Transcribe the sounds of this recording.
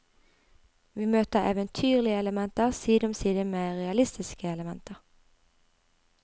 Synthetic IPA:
ʋiːmøːt̪əʁḛːʋənt̪ʰyːʁlɪəɛləmɛnt̪əʁsiːd̪ɔmsiːd̪əmeːʁɛɑlɪst̪ɪskəɛləmɛnt̪ʰəʁ

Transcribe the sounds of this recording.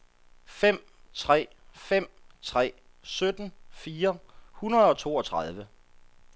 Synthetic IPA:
fem̰ | t͡sʰʁɛ̰ːfem̰t͡sʰʁɛ̰ː | sød̥n̩fiːɐhunɐðˠɒ̽t͡sʰo̝̰ːɒ̽t͡sʰʁɑð̞ˠʋə

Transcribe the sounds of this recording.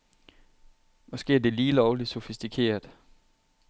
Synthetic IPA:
ʋɒsɡ̥e̝ɐd̥e̝liːlɒʊli̥so̝fisd̥ikʰe̝̰ːɐðˠ

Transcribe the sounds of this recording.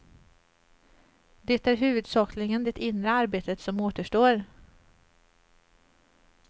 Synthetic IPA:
d̪ɛt̪æɾɦʉ̟ːvɵd̪sɑːklɪŋənd̪ɛt̪ɪnɾəaɾbeːt̪ət̪sɔmoːt̪əʂʈoːɾ

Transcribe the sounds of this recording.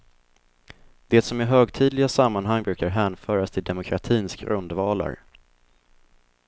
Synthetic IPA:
d̪̥ɛːt̪sɔmɪɦøːɡt̪ʰiːd̪lɪɡasamːanɦaŋːbɾʉ̟ːkaɾɦæːnfœːɾast̪ʰɪld̪ɛmʊkʰɾa̰t̪ʰiːnsɡɾɵ̰nd̪vɑːla̰ɾ

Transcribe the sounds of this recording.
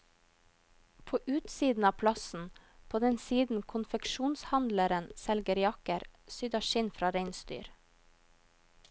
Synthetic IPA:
pʰoːʔʉːt̪siːd̪n̩ɑːpʰlɑsn̩pʰoːd̪ɛnsiːd̪n̩kʰʊnfɛkʃuːnshɑnd̪ləɾənsɛlɡəɾjɑkəɾsʏd̪ɑʃɪnfɾɑːɾeɪnst̪y̰ːɾ

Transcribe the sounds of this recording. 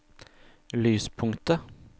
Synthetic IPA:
lyːspʰʊŋt̪ə

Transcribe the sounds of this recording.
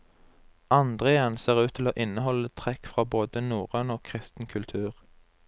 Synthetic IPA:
ɑnd̪ʁeːənseːʁʉːt̪ʰɪloːʔɪnəhɔlət̪ʰʁɛkfʁɑːboːd̪ənuːʁənoːkʰʁɪst̪n̩kʰʉlt̪ʰʉːʁ

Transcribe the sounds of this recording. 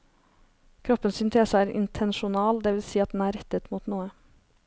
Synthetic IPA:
kʰɾɔpːənsʏnt̪ʰeːsəæːɾɪ̰nt̪ʰɛnʃʊnɑːld̪ɛːʋɪlsiːɑt̪̚d̪n̩æːɾɛt̪ət̪muːt̪nuːə

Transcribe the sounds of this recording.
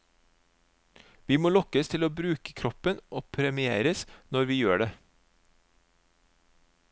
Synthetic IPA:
ʋiːmoːlɔkəst̪ʰɪloːbɾʉːkə̥kʰɾɔpənʔoːpʰɾɛmɪeːɾəsnɔɾʋiːjøːɖe

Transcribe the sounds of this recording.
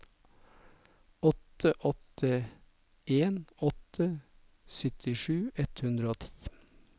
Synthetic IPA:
ɔt̪əʔɔt̪ʰə | ʔeːnɔt̪ʰə | sʏt̪ʰɪʂʉːɛt̪hʉnd̪ɾəoːt̪ʰiː

